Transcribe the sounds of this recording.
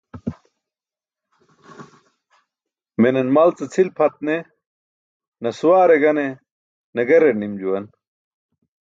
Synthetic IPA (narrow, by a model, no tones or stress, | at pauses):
menɐnmɐlt͡sɐt͡sʰilpʰɐt̪̚ne | nɐsuwaːɾeɡɐne | nɐɡɐɾenimd͡ʑuwɐn